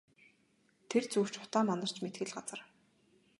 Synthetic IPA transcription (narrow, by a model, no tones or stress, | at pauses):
t̪ʰert͡suw̥t͡ɕʊ̥t̪aːmanə̆r̥t͡ɕmet̪ɡɘ̆ɮɢat͡sə̆r